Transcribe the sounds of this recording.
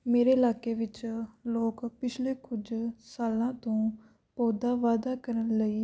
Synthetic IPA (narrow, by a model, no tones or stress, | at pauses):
meːɾeːɪlaːkeːʋɪt͡ʃloːkpɪt͡ʃʰleːkʊd͡ʒsaːlãːt̪õː | pɔːd̪aːʋaːd̪aːkəɾənləiː